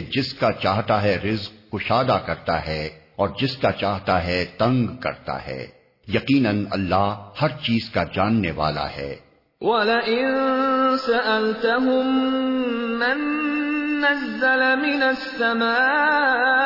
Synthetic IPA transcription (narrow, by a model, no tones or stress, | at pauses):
d͡ʒɪskat͡ʃaːɦt̪aɦɛɾɪzqːʊʃaːd̪akɐɾt̪aɦɛɔːɾd͡ʒɪskat͡ʃaːɦt̪aɦɛt̪ɐ̃ŋɡkɐ̰ɾt̪a̰ɦɛ̰ː | jɐqiːnənɐ̰lːaːɦhɐɾt͡ʃiːzkad͡ʒaːnːeʋa̰ːla̰hɛ̰ː | wɐlaʔɪnnsaʔalt̪aɦʊmː | ɪnː | azːalamɪnɐsːamaː